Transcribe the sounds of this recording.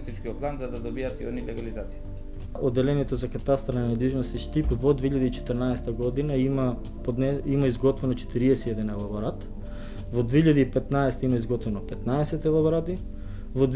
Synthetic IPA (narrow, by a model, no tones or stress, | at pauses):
st̪it͡ʃkioplˠanzad̪ad̪obiat̪io̰nilɛɡalizat̪si̥ | od̪ːɛlɛnɛt̪ozakat̪ast̪ɾananɛd̪viʒnost̪iʃt̪ipvod̪vɛiʎad̪iit͡ʃɛ̥t̪əɾnaɛsɛ̥t̪aɡɔd̪inaima | pod̪nɛimaizɡɔt̪vɛnot͡ʃɛ̥t̪iɾiɛsɛɛd̪ɛnɛlˠaboɾat̪ | vod̪vɛiʎad̪iːpɛt̪naɛsɛ̥t̪aimaizɡɔt̪vɛnopɛt̪naɛsɛt̪ɛlˠaboɾad̪i | vod̪